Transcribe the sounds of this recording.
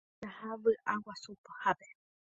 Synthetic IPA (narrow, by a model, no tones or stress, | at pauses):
ahaʋɨʔawasupḁhape